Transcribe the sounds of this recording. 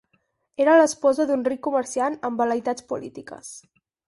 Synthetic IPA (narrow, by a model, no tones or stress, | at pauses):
eɾələspɔzəðunrikːuməɾsianəmbələit̪at͡spulit̪ikə̰s